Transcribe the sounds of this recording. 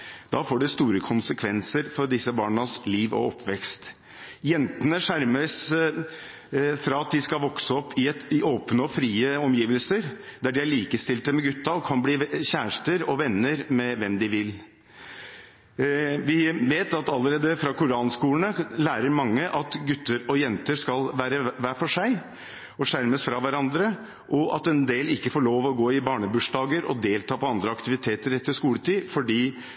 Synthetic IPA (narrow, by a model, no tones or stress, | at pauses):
d̪̥ɑːfoːɖɛst̪uːɾəkʰʊnsəkʰʋɛnsəɾfɔɾɖɪsːəbɑːɳɑsliːʋɔ̰ɔpʰːʋɛkst̪ | jɛnt̪ənəʂæɾməs | fɾɑːɑt̪̚d̪ɪskɑlʋɔksəɔpʰːɪɛɪoːpnəɔfɾiːəɔmjiːʋəlsəɾd̪æɖɪæɭiːkəst̪ɪlt̪əmɛɡʉt̪ːɑɔkʰɑnbliːçæːʂʈəɾɔʋɛnːəɾmɛʋɛmd̪ɪʋɪl | ʋɪʋeːt̪ɑt̪ɑlːəɾeːd̪əfɾɑkʊɾɑːnskuːlnəlæːɾəɾmɑŋːəʔɑt̪ɡʉt̪ːəɾɔjɛnt̪əʂkɑlʋæːɾəʋæːfɔʂæɪ | ɔʂæɾməsfɾɑʋæɾɑnd̪ɾə | ʔɔʔɑt̪ɛnd̪eːlɪkːəfoːɭoːʋɔɡoːɪbɑːɳəbʉʂɖɑːɡəɾɔ̰d̪eːlt̪ʰɑːpɔɑnd̪ɾəɑkt̪ɪʋɪt̪ʰeːt̪əɾɛt̪ːəʂkuːlət̪ʰiːfɔɖiː